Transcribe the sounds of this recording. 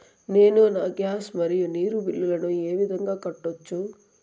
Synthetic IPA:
ne̞ːnunɐɡjaːsmɐɾijuniːɾubilːulɐnueːʋid̪ʱɐŋɡaːkɐʈːot͡ʃːu

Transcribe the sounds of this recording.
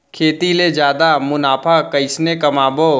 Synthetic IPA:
kʰeːt̪iled͡ʒjaːd̪amʊnaːpʰakɐɪsnekɐmaːboː

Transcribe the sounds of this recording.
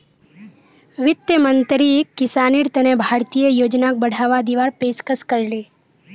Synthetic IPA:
ʋɪt̪jəmə̃nt̪ɾiekːɪsaːniːɾt̪ənebʱaːɾt̪ijəjoːd͡ʒnak̚bəɽ̤ʱaːʋad̪iʋaːɾpeːskəskəɾleː

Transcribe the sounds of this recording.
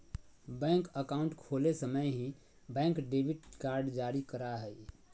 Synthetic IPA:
bɛ̃ŋkəkaũɳʈkʰolesəməjɦĩ | bɛ̃ŋkɖebiʈkaɾɖd͡ʒaɾikəɾaɦəj

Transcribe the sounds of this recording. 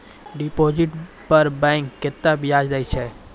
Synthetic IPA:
ɖipoːd͡ʒɪʈ | pəɾbɛ̃ŋkːet̪ːabʱiaːd͡ʒd̪əjt͡ʃʰɛ

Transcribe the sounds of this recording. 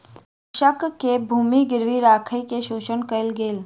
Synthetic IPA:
ʃəkkebʱuːmiɡɪɾʋiɾaːkʰəikeʃuːʃənkəɪlɡeːl

